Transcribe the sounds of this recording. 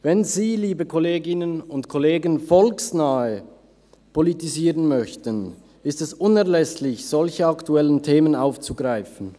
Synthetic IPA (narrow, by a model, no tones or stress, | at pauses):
vɛnziːliːbəkʰoleːɡɪnənʊntkʰoleːɡənfɔlksnaːə | pʰolitiziːʁənmœçtən | ɪstɛsʊnɛɐlɛslɪçz̥ɔlçəɑktuɛləntʰeːmənaʊft͡suɡʁaɪfn̩